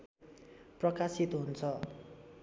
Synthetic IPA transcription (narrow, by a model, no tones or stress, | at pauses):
prʌkasit̪ɦunt͡sʰʌ